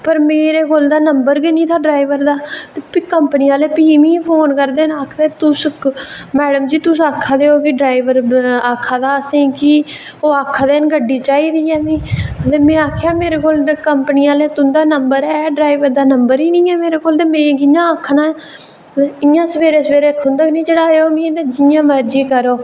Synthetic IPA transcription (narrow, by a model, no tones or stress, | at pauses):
pəɾmeːɾeːkoːld̪aːnəmbəɾɡinĩːt̪ʰaːɖɾaːiʋəɾd̪aːt̪epikəmpəniːaːleːpiːmĩːpʰoːnkəɾd̪eːnaːkʰd̪eːt̪ʊs | mɛːɖəmd͡ʒiːt̪ʊsaːkʰːaːd̪eːoːkɪɖɾaːiʋəɾaːkʰːaːd̪aːəsẽːkɪ | oːaːkʰːd̪eːnɡəɖːiːt͡ʃaːiːd̪iːɛːmĩːət̪eːmɛ̃ːaːkʰejaːmeːɾeːkoːlkəmpniːaːleːt̪ʊnd̪aːnəmbəɾɛːɖɾaːiʋəɾd̪aːnəmbəɾiːnĩːɛːmeːɾeːkoːlt̪eːmẽːɡɪjãːaːkʰːnaːɛː | ɪjãːsəʋeːɾeːsʋeːɾeːkʰːʊnd̪aːknĩːd͡ʒeːɽaːeoːmĩt̪eːd͡ʒɪjãːməɾd͡ʒiːkəɾoː